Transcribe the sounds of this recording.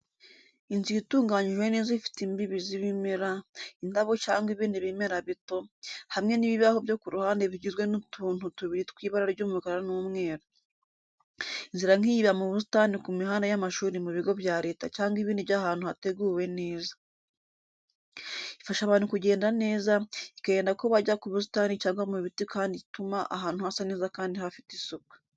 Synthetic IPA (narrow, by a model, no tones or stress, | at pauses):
inzituːŋɡaɲiʒwe̞ne̞ːzaifi̥timbiβiziβimeɾaindaβo̞caːŋɡiβiːndiβimeɾaβito̞hamŋe̞niβiβaho̞βjo̞kuɾuhaːnde̞βiɟizɡwe̞nutʰuːn̥hutuβiɾitkwiːβaɾaɾɟuːmukaɾaɾanuːmŋe̞ːɾo | inziɾaŋ̥ijiβamuβus̬i̥tanikumiɦaːndajamaʃuːɾimuβiɡo̞βjaːɾe̞ːtacaːŋɡiβiːndiβjahaːn̥huhate̞ɡuːwe̞ne̞ːzḁ | ifaʃaβaːn̥hukuɟe̞ːndane̞ːzaikajeːndako̞βaɟakuβus̬i̥taːnicaːŋɡwamuβitikʰaːnditumaʔa̰ɦaːnhuhasane̞ːzakaːndihafitisukḁ